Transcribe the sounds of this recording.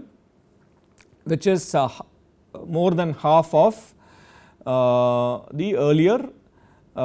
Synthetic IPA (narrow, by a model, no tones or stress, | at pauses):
ʋɪt͡ʃɪz | moːɾd̪ɛ̃nhaːfɔf | d̪iəːɾliəɾ